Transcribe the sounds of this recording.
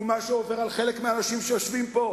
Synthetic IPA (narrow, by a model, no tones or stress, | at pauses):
maʃeove̞ʁalχe̞lekmeanaʃimʃejoʃvimpo̞